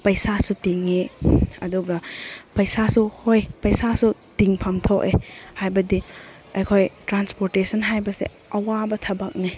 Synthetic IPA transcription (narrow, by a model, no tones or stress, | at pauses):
pɐjsasutiŋeɐ̰duɡɐpɐjsasuhojpɐjsasutiŋpʰamtʰokḛhajbɐdi | ɐjkʰojtɾanspoɾtesɐnɦajbɐsḛ | ɐwabɐtʰɐbɐk̚ni